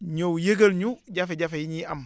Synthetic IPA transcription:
ɲowjeɡəlɲuɟafeɟafejiɲiam

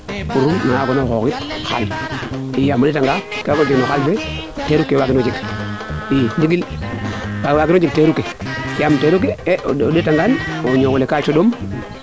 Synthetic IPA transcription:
kuɾunaŋaɡonokokitxa̰l | ijamodetaŋɡakːɡod͡ʒiknokalbe | teɾukewaɡinod͡ʒik | iniɡil | wawaɡinod͡ʒik̚teɾukejamteɾuk̬edetaŋɡanoɲokulekat͡ʃodom

